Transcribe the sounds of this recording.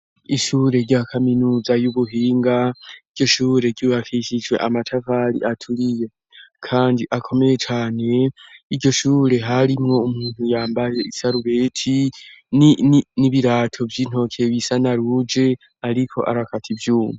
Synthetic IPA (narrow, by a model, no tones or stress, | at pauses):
iʃuːɾe̞ɾɟaːkʰaminuzajuβuɦiːŋɡaiɟo̞ʃuːɾe̞ɾɟuːβakʰiʃid͡ʒwe̞̰ʔamatʰavaɾḭʔatʰuɾije̞ | kʰaːndiʔakʰo̞me̞je̞t͡ʃaːne̞iɟo̞ʃuːɾe̞ɦaɾimŋo̞umuːn̥ujaːmbaje̞isaɾuβeːtʰinniβiɾaːtʰo̞vjin̥o̞kʰeβisanaɾud͡ʒe̞ | aɾikʰo̞̰ʔa̰ɾakʰatʰivjuːŋi